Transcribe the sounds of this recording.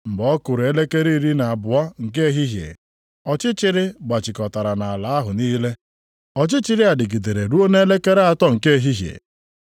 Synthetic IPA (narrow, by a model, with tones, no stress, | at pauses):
m̩˨bɔ˦kʊ˨ɾe˦le˦ke˦ɾi˦ɾi˦na˨a˨bʊ˨a˦ŋ̩˨k̬e˦e˦ɦi˦ɦjḛ˨ | ɔ˨t͡ʃɪ˦t͡ʃɪ˦ɾɪ˦ɡ͡ba˨t͡ʃɪ˨kɔ˨ta˨ɾa˨na˨a˨la˨˦ɦʊ˨niː˦le˦ | ɔ˨t͡ʃɪ˦t͡ʃɪ˦ɾɪ˦a˨dɪ˨ɡi˨de˨ɾe˨ɾu˦o˦ne˦e˦le˦ke˦ɾe˦a˨tɔ˦ŋ̩˨ke˦e˦˨ɦi˦ɦjḛ˨